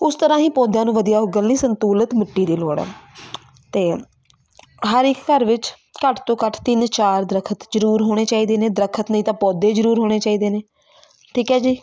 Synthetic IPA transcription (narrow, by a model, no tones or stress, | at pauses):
ʊst̪əɾãːɦĩːpɔːd̪jãːnũːʋəd̪ijaːʊɡəlnĩːsənt̪uːlət̪məʈːiːd̪eːloːɽɛ̰ː | t̪eː | ɦəɾɪkːəɾʋɪt͡ʃ | kəʈʰt̪õːkəʈʰt̪ɪnt͡ʃaːɾd̪ɾəkʰət̪zəɾuːɾɦoːɽ̃eːt͡ʃaːiːd̪eːneːd̪ɾəkʰət̪nəĩːt̪ãːpɔːd̪eːd͡ʒəɾuːɾɦoːɽ̃eːt͡ʃaːiːd̪eːneː | ʈʰiːkɛːd͡ʒiː